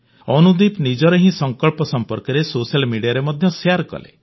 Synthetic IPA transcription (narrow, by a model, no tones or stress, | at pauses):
ɔnud̪ipnid͡ʒɔɾɔɦĩsɔŋkɔɭpɔsɔmpɔɾkɔɾesosalmiɖijaɾemɔd̪ʱjɔseaɾkɔ̰lḛ